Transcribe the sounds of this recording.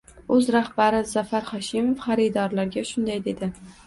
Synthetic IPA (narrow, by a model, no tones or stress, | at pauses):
ɵzɾahbaɾɪzafaɾχɒʃɪmofχɑɾid̪ɒɾlaɾɡʲaʃʊnd̪ajd̪e̞d̪ɪ